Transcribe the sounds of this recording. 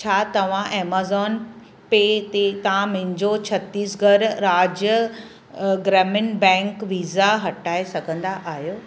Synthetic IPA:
t͡ɕʰaːt̪ɐʋ̤ãʔeːmaːzɔːn | peːt̪et̪ɐʋ̤ãmʊ̃ɦɪ̃ɲd͡ʑot͡ɕʰɐt̪iːsɡʱɐɾɾaːd͡ʑjə | ɡɾɛːmɪnbɛ̃ːŋkʋiːzaɦɐʈaːesɐɡʱə̃nd̪aʔaːɦijoː

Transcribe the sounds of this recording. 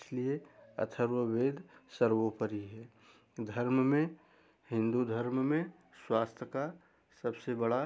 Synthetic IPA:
slieə̰t̪ʰəɾwəbeːd̪ʱsəɾʋopəɾiɦɛː | d̪ʱəɾmmẽ | hɪ̃nd̪ud̪ʱəɾmmẽ | swaːst̪ʰəka | səbsebəɽa

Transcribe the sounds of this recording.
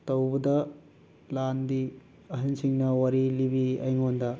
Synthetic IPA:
tɐwbɐdɐ | landi | ɐɦɐnsiŋnɐwɐɾilibiɐjŋondɐ

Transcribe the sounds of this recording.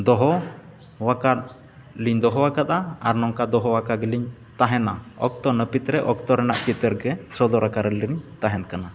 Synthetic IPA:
d̪ɔɦɔ | wakat̪̚ | liɲd̪ɔɦɔwakat̪̚aa̰ɾnɔŋkad̪ɔɦɔwakaɡɛliɲ | t̪aɦɛnaɔ̰k̚t̪ɔnəpit̪ɾɛʔɔk̚t̪ɔɾɛnaʔkit̪əɾɡɛsɔd̪ɔɾakaɾɛliɾiɲt̪aɦɛnkana

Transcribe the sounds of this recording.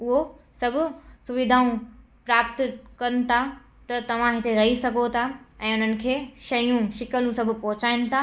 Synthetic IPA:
ʊɦo | sɐbʱʊ̆sʊʋɪd̪ʱaːũ | pɾaːpt̪ʊkɐnɪ̆t̪ʰa | t̪ɐt̪ɐʋ̤ãɦɪt̪eɾɐɦisɐɡʱot̪ʰaɛ̃ːʊn̤ənɪ̆kʰeːʃɐjũʃɪkəlũsɐbʱʊpɔːʊt͡ɕaːɪnɪ̆t̪ʰa

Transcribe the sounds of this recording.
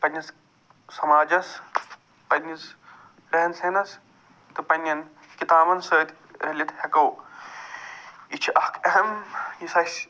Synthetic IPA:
pɐnʲːɐs | sɐmaːd͡ʒɐs | pɐnːis | ɾɐɦɐnsenɐs | t̪ɨpɐnʲːɐn | kit̪aːbɐnsəːt̪ | ɾɐlʲɐt̪ʰhɐkɐw | it͡ʃʰiʔɐhkʰɐɦɐmjisɐs

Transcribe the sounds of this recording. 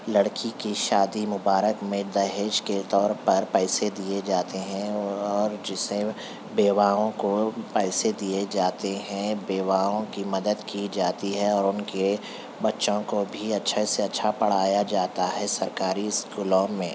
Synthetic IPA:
lɐɽkʰikiʃaːd̪imʊbaːɾəkmẽd̪ɐɦeːʃket̪ɔːɾpɐɾpɛːsed̪ied͡ʒaːt̪eɦɛ̃ɔːɾd͡ʒɪsẽ | beːwaːõkopɛːsed̪ied͡ʒaːt̪eɦɛ̃beːwaːõkimɐd̪əd̪kid͡ʒaːt̪iɦɛɔːɾʊnke | bɐtːʃõkobʱiɐtːʃʰeseɐtːʃʰapɐɽ̤aːjad͡ʒaːt̪aɦɛsɐɾkaːɾiɪskuːlɔːmːẽː

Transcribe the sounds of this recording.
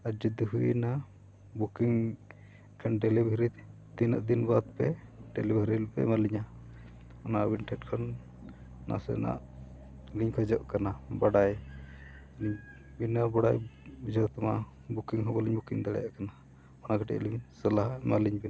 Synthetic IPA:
aɾd͡ʒud̪uɦuina | bukiŋ | kʰɔnɖɛlɛbʱiɾit̪ | t̪ina̰ʔd̪inbat̪̚pɛɖɛlibʱiɾilpɛ̰maliɲa | ɔnabiɳʈʰɛt̚kʰɔnː | a̰sɛ̰na̰ʔ | liɲkʰɔd͡ʒɔʔkanabaɽaj | niɲ | binabɔɽajd͡ʒɔt̪ɔma | bukiŋɦɔbɔliɲbukiŋd̪aɽɛ̰jaʔkana | ɔnakɔʈɛ̰ʔlimɲsəlaɦamaliɲbina

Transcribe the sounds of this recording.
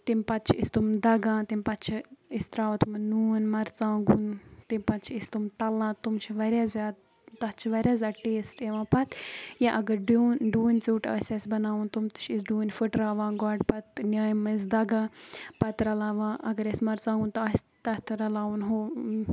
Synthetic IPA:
t̪impɐt̪t͡ʃʰiist̪umd̪ɐɡãːt̪impɐt̪t͡ʃʰiist̪ɾaːʋɐt̪umɐnuːnmɐɾt͡sãːɡunt̪impɐt̪t͡ʃʰiist̪umt̪ɐlãːt̪umt͡ʃʰiʋɐɾʲjaːzʲaːd̪̚ | t̪ɐt͡ʃʰiʋɐɾʲjaːzʲaːd̪̚ʈeːsʈeʋãːpɐt̪jãʔɐɡɐɾɖunɖuːnʲt͡siːʈɐ̰ːsʲɐsbɐnaːunt̪umt̪ɨ̥t͡ʃʰisɖuːnʲfɨʈɾaːʋãːɡaːɖpɐt̪nʲaːjmɨz̬d̪ɐɡãːpɐt̪ɾɐlaːʋãːʔɐɡɐɾɐsmɐɾt͡sãːŋɡunt̪ɐs | t̪ɐt̪ʰɾɐlaːunɦoː

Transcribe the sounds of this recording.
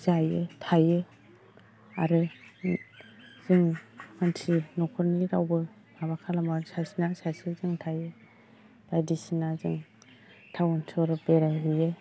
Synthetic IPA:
zajɯtʰajɯ | a̰ɾɯ | z̥ɯŋmantʰinɔkʰɔɾniɾawbɯ | maβakʰalambasasinasasɯzɯŋtʰajɯ | bajdisinazɯŋ | tʰawɔntʰɔɾɯbeɾaɦɯjɯ

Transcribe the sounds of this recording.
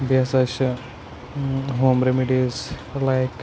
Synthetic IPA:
bʱjasaɕɐ | ɦoːmɾemiɖiz | lajk

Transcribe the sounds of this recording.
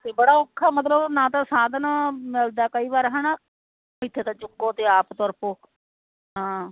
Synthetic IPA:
t̪eːbəɽaːʊkʰːaːmət̪ləbnãːt̪ãːsaːd̪naːmɪld̪aːkəiːʋaːɾɦəna | ɪt̪ʰːeːt̪ãːt͡ʃʊɡoːt̪eːaːpt̪ɔɾpoː | ɦãː

